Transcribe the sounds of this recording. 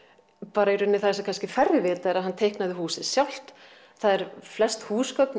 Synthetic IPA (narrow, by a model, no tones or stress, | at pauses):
paːɾaɛɾʏnːɪθasakʰanscɪfɛɾvɪvɪːt̪aɛɾaðɦant̪ʰejhknaðɪhuːsɪðsjawl̥t̪ | θaðɛɾ̥flɛst̪huːskœpn